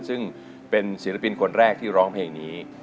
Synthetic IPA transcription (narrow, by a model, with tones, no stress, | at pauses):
nsɯ˥˩ŋ | pe˧nsi˨˩˦ɾa˧pi˧nkʰo˧nɾɛː˥˩k̚t̪ʰiː˥˩ɾɔː˦˥ŋpʰleː˧ŋniː˦˥